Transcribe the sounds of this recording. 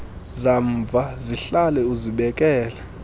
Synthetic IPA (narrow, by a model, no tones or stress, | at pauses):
zaɱvʱaziɬalɛuziɓɛkʼɛːlɛ